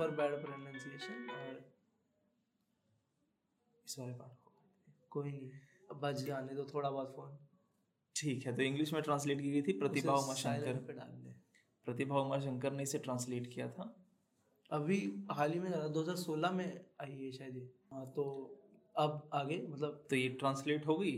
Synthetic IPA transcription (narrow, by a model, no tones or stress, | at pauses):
pəɾbɛːɽpɾenãːnsieːʃənɔːɾ | ɪsbaːɾepaːʈʰkoa | koːinibɐd͡ʒaːned̪ot̪ʰoːɽabɔːd̪fʰoːn | ʈʰiːkɦɛt̪oɪ̃ŋɡlɪʃmẽʈɾãːns̬leːʈkiːɡəit̪ʰipɾɐɪaːʋmaʃɐ̃ŋːɪləɾpeɖa̰ːld̪e | pɾɐt̪ɪbʱaːʋmaʃ̬ɐ̃ŋkəɾneɪseʈɾãːnsleːʈkijat̪ʰaː | ɐbʱiɦaːlimẽd͡ʒaːnd̪oːɦəzaːɾsoːlamẽaːieʃaːid̪e | ɦãt̪o | ɐbaːɡemɐt̪ləb̚t̪ojeʈɾãːnsleːʈɦoːɡəi